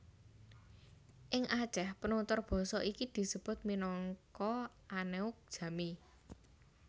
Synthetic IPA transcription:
ʔɪŋʔḁt͡ʃɛhpənunt̪ʊrb̥ɔ̤sɔʔikid̪̥i̤səb̥ʊ̤t̪̚minɔŋkɔ | aneʊk̚d̥ʒ̥a̤mi

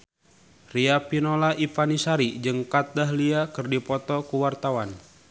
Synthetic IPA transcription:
riapinolaʔifanisaɾid͡ʒəŋkat̪̚daɦliakɨrdipɔt̪ɔkuwart̪awan

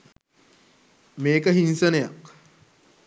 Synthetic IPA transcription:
meːkəɦinsənəja̰k

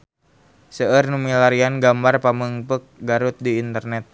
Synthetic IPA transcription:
səərnumilaɾianɡambarpaməŋpək̚ɡaɾut̪̚diːnt̪ərnɛt̪̚

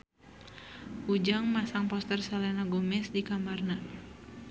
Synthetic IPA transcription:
ud͡ʒaŋmasaŋpɔst̪ɛrsalɛnaɡomɛsdikamarna

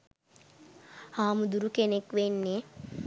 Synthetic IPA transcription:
aːmud̪uɾukenekʋenːe

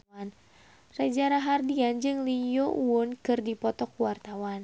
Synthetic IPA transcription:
n | rɛd͡ʒaɾaɦardiand͡ʒɨŋlijoʔuʊnkɨrdipɔt̪ɔkuwart̪awan

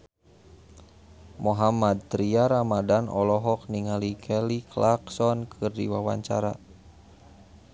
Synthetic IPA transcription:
mɔɦamad̪̚t̪ɾiaɾamadanɔ̰lɔɦɔk̚niŋalikʰɛliklaksɔnkʰɨrdḭwawa̰ɲt͡ʃa̰ɾa̰

